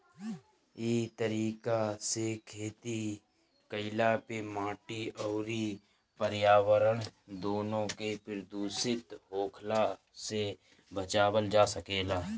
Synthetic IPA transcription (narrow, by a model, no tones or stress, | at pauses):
iːt̪əɾiːkasekʰeːt̪i | kəɪlapemãːʈiɔːɾi | pəɾjaːwəɾəɽ̃d̪oːnõkepɪɾd̪uːsɪt̪ɦoːkʰla | se | bət͡ʃaːwəld͡ʒaːsəkeːlaː